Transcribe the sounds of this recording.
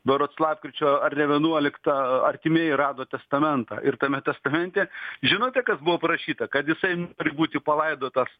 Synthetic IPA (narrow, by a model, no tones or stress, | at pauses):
d̪oɾoːt̪slˠɑːpkɾʲɪt͡ʃʲoːɐrʲnʲɛʋʲɛnuɔlʲɪkt̪ɐɐrʲt̪ʲɪmʲeːjɪɾɑːd̪oːt̪ʲɛst̪ɐmʲɛnt̪ɑ̰ːʔɪrt̪ɐmʲɛt̪ʲɛst̪ɐmʲɛnʲt̪ʲeʒʲɪnoːt̪ʲɛkɐsbʊʋoːpɐɾɐʃʲiːt̪ɐkɐt̪jɪsɐɪnoːɾʲɪbuːt̪ʲɪpɐlˠɐɪd̪oːt̪ɐs